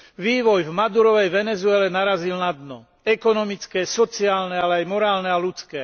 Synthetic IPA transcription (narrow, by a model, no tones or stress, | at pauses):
ʋiːʋɔjvmad̪uɾɔʋɛjʋɛnɛzuɛlɛnaɾazilnad̪nɔ | ɛkɔnɔmit͡skɛsɔt͡siaːlnɛalɛajmɔɾaːlnɛalut͡skɛː